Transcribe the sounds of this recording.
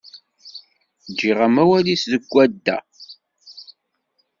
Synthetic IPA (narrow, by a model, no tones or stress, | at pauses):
d͡ʒːiʁamæwælisðəɡʷːæd̪ːæ̰